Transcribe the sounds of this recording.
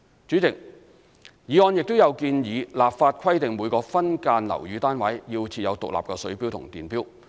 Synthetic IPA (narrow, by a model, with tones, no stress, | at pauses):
t͡ʃy˨˥t͡sɪ˨˩k̚ | jiː˨˥ɔː˧njɪ˨k̚t̪ʊ˥wjɐ˨˧wkiː˧njiː˨˧laː˨p̚faː˧t̚kʰɐ˥jt̪ɪ˨ŋmuː˨˧jkɔː˧fɐ˥nkaː˧nlɐ̰˨˩wjyː˨˧˥t̪aː˥nwɐ˨˥jji˧wt͡sʰiː˧t̚jɐ˨˧wt̪ʊ̰˨k̚la̰ː˨pkɛː˧sɵ˨˥ɥpi˥wt̪ʰʊ̰˨˩ŋt̪iː˨˩npiː˥w